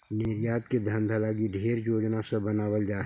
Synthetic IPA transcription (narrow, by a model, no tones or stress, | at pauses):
neːɾijaːt̪ked̪ʱɐ̃nd̪ʱɐlaɡiɖʱeːɾd͡ʒoːd͡ʒnasebɐnaːwəld͡ʒaːɦ